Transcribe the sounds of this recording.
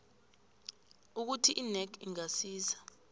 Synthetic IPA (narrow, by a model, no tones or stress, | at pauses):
uk̬utʰiʔinɛkʰiŋasiːsḁ